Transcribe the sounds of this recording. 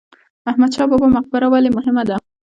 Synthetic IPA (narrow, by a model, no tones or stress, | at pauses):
ahmad̪ʃɑbɑbamaq̚bɪɾawalemʊɦɪmad̪a